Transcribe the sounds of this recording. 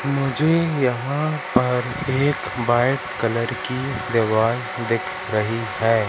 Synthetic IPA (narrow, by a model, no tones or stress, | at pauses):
mʊd͡ʒʱejɐɦãpɐɾeːkbaːɪʈkɐləɾkid̪eʋaːl | d̪ɪkʰ | ɾɐɦihɛː